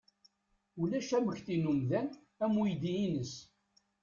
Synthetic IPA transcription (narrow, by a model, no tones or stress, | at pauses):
ulæʃæməçθinumðæn | æmujd̪iinəs